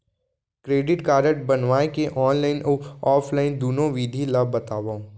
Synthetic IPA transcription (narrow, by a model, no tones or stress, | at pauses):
kɾeːɖɪʈkaːɾəʈbɐnʋaːekeʔɔːnlaːɪnʔoɔːpʰlaːɪnd̪uːnõʋiːd̪ʱilabːɐt̪aːʋaːũ